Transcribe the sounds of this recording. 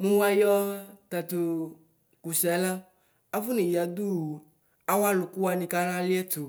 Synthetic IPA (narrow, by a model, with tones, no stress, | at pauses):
mũ˦wa˦jɔ˦t̪a˨t̪o˨ | ku˨sɛ˨˦la˦ | a˦fu˦nĩ˨ja˨d̪u˦˨ | a˦wa˦lʊ˨ku˦wa˨nĩ˨ka˦ɾa˦li˦ɛ˦t̪ʊ˨